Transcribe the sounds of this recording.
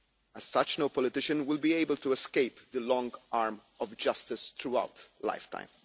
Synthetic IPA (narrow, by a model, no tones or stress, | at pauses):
əz̥sʌt͡ʃnoʊpɔlɪt̪ɪʃə̃nwɪlbieɪbəltuɛskeɪpd̪əlɔ̃ŋɡʔaːɹm | ɔvd͡ʒʌstɪst̪ɹua̰ʊtla̰ɪftã̰ɪ̃m